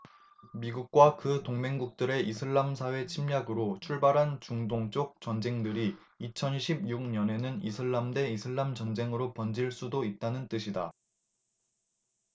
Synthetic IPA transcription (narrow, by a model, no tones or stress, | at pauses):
miɡuk̚k͈wakɯtoŋme̞ŋɡuk̚t͈ɯɾe̞ʔisʰɯɭːamsʰawe̞t͡ɕʰimɲaɡɯɾot͡ɕʰuɭbaɾɦant͡ɕuŋdoŋt͡ɕ͈ok̚t͡ɕ͈ʌnd͡ʑe̞ŋdɯɾi | it͡ɕʰʌnɕʰib̚juk̚ɲʌne̞nɯnisʰɯɭːamde̞isʰɯɭːamt͡ɕʌnd͡ʑe̞ŋɯɾopʌnd͡ʑiɭs͈udoit̚t͈anɯnt͈ɯɕʰida